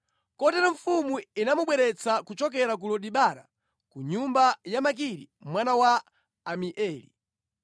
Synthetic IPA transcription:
kɔtɛɾɔɱ̩fumuinamuɓwɛɾɛt͡sʰakut͡ʃɔk̬ɛɾak̬ulɔɗiɓaɾa̰ | kuɲumbajamak̬iɾi | mwanawaː | miʔɛːlḭ

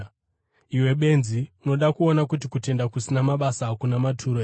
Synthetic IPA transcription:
iwe̞ɓe̞nziuno̞ɗakuonakutikute̞ndakusinamaɓasaːkunamatʰuɾoe

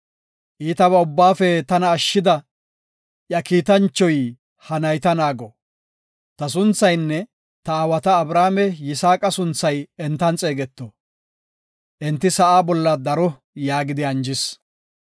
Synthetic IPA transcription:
ʔiːt̪ɐβɐʊbːaːfɛt̪ɐnɐːʃːɪd̪ɐ | ʔjɐkiːt̪ɐnt͡ʃːɔj | hɐnɐjt̪ɐnaːɡɔ | t̪ɐs̬ʊnt͡sːɐjnːɛ | t̪ɐːwɐt̪ɐːbɾaːmɛjɪsaːkʼɐsʊnt͡sːɐjɛnt̪ːɐnt͡sʼe̞ːɡɛt̪ːɔ | ʔɪnt̪ːɪsɐʔaːbɔlːɐd̪ɐɾɔ | jaːɡɪd̪ɪɐnd͡ʒɪs

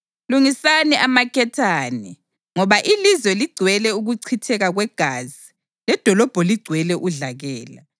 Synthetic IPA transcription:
luŋisaniʔamakʰɛtʰaːni | ŋɔβaʔilizwɛliɡ͡ǀʱwɛlɛuɣuǀʰitʰɛɣaɣwɛɡ̥ʱaːzi | lɛd̥ʱɔlɔb̥ʱɔliɡ͡ǀʱwɛlɛʔuɮaɣɛːla̰

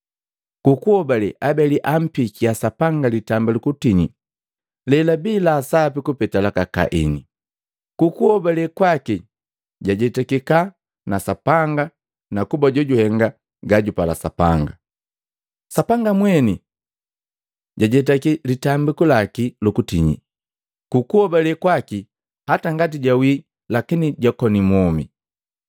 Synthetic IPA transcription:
kukuhɔbalɛʔabɛliʔam̩pikiasapaŋɡalitambalukutiɲi | lɛlabilaːsapikupɛtalakaka̰ʔḭni | kukuɔbalɛkwaki | ɟaɟɛtakika | nasapaŋɡa | nakubaɟɔɟuhɛŋɡa | ɡaɟupala̰sapa̰ŋɡa | sapaŋɡamwɛni | ɟaɟɛt̬akilitambikulakilukutiɲḭ | kukuhɔbalɛkwaki | hataŋɡatiɟawi | lakiniɟakɔnimɔmi

